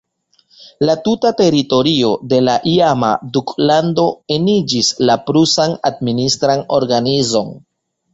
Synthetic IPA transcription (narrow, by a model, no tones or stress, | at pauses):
latutate̞ɾito̞ɾio̞de̞laʔiama̰duklando̞e̞nid͡ʒislapɾusana̰d̚ministɾano̞̰ɾɡanizo̞̰n